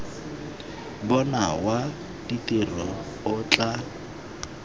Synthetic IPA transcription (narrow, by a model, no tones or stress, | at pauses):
bɔnawa | d̥itʼerɔ | ʊt͡ɬʼa